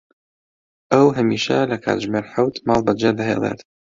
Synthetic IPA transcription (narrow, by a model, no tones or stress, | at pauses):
ʔəwɦɐmiːʃɐlɐkʰa̰ːt̪ʒmeːɾħawt̪mɑlˠbɐd͡ʒed̪ɐɦḛlˠḛt̪